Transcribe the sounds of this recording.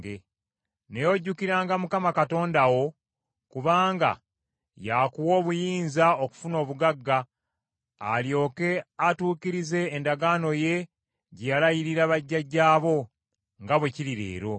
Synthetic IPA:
ɡe | ne̞jo̞ɟːukiɾaːŋɡamukamakato̞ːndawo̞ | kuβaːŋɡa̰ | jakuwo̞ːβujiːnzaoku̥funo̞ːβuɡaɡːa̰ː | ljo̞ːke̞atuːkiɾize̞ːndaɡaːno̞je̞ | ɟejalajiɾiɾaβaɟːaɟːaːβo̞ | ŋɡaβwe̞ciɾiɾe̞̰ːɾo̞

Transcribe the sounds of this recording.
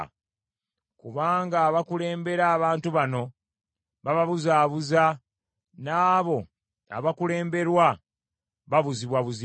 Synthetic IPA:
kuβaːŋɡaːβakule̞ːmbe̞ɾaːβaːntuβano̞ | βaβaβuzaːβuza | naːβo̞ | a̰βakule̞ːmbe̞ɾwa | βaβuziβwaβuzi

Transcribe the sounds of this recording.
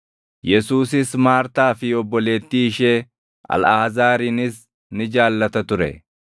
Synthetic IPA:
jɛsuːsɪsmaːɾt̪aːfɪɔbːɔle̞ːt̪ːiːʃeː | ɐ̰laːzaːɾinɪs | nɪd͡ʒaːlːɐt̪ɐt̪ʊɾɛ̰

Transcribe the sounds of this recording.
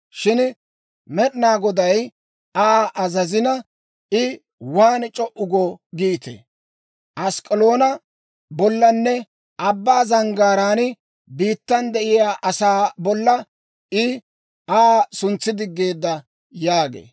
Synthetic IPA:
ʃɪn | mɛɗnaːɡɔd̪ɐj | aʔɐzɐzɪnɐ | ɪ | waːnt͡ʃʼɔʔʊɡɔɡiːt̪ḛ | ʔɐskʼɛloːnɐ | bɔlːɐnːɛ | ʔɐbːaːzɐŋɡaːɾaːnɪ | biːt̪ːɐnd̪ɛʔɪjaːʔɐsaːbɔlːɐ | ɪ | aːsʊnt͡sːɪd̪ɪɡːeːd̪ːɐ | jaːɡḛː

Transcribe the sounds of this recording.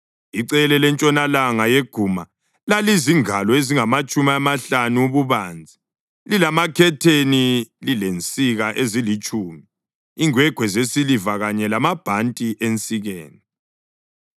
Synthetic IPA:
iǀɛlɛlɛnt͡ʃʼɔnalaŋajeɡ̥ʱuma | laliziŋalɔeziŋamat͡ʃʼumiamaɬanuuβuβaːnd͡zʱi | lilamakʰɛtʰenililent͡sʼiɣaʔezilit͡ʃʼuːmi | iŋwɛɡ̥ʱwɛzesilivaɣaɲɛlamab̥ʱantʼiʔent͡sʼiɣɛːni

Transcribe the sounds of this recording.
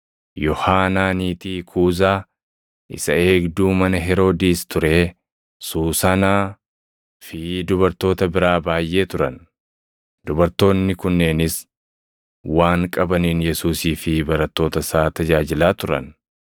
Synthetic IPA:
jɔhaːnaːniːt̪iːkʰuːzaː | ʔɪsɐe̞ːɡd̪uːmɐnɐɦɛɾo̞ːd̪iːst̪ʊɾeː | suːsɐnaː | fɪd̪ʊbɐɾt̪o̞ːt̪ɐbɪɾaːbaːjʔe̞ːt̪ʊɾɐ̰n | d̪ʊbɐɾt̪o̞ːnːɪkʊnːeːnɪs | waːŋkʼɐbɐniːnjɛsuːsiːfɪbɐɾɐt̪ːo̞ːt̪ɐsaːt̪ɐd͡ʒaːd͡ʒɪlaːt̪ʊɾɐ̰n

